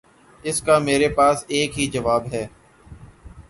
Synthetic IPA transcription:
ɪskameːɾepaːseːkɦid͡ʒəʋaːbɦɛː

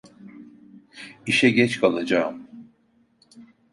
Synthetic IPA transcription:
iʃɛɟɛt͡ʃkʰalˠad͡ʒaːm

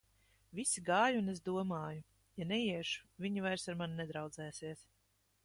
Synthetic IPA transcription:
visiɡaːjuunezd̪uɔmaːju | janɛjiɛʃu̥vʲiɲivajɾsaɾmannɛd̪ɾawd̪zɛːsiɛs

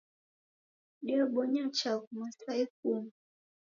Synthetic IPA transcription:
diɔɓɔɲat͡ʃakumasaik̚um

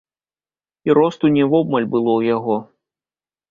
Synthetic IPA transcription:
iɾɔst̪unʲɛvɔbmɐlʲbɨlˠɔwjaɣɔ

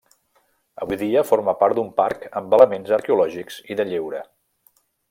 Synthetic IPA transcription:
əβujðiəfoɾməpaɾt̪d̪umpaɾkəmbələmenzəɾkeulɔʒikz̥iðəʎewɾə

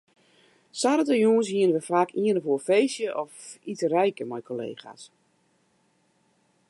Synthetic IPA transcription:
saɾətəjuːns̬hiənəʋəfaːkʰiənəvoːfejsjəʔɔfitərɛjkəmajkʰolḛːχa̰s

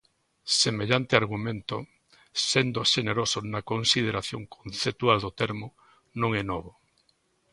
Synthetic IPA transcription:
semeʎant̪eaɾɣumẽnt̪o | send̪oʃeneɾosonakonsið̞eɾaθjoŋkʰonθep̚t̪uald̪ot̪eɾmo | nõŋɛnɔβo

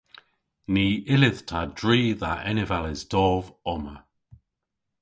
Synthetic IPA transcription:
niːɪlɪð̥tʰadɹiːðaʔɛnɪvalɪzdɔːvɔmə

